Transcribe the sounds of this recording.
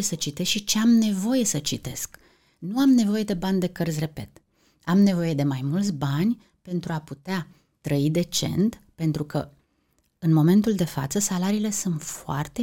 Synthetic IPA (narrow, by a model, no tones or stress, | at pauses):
esət͡ʃit̪e̞sʃit͡ʃe̞amne̞vo̞je̞sət͡ʃit̪e̞̰sk | nuamne̞vo̞je̞d̪e̞banʲd̪e̞kərzʲre̞pe̞̰t̪ | amne̞vo̞je̞d̪e̞majmult̪sʲbanʲ | pe̞nt̪ɾuaput̪ea | t̪ɾəid̪e̞t͡ʃe̞̰nt̪pe̞nt̪ɾukə̰ | ɨnmo̞me̞nt̪uld̪e̞fa̰t̪səsalaɾiːle̞sunt̪foa̰rt̪e̞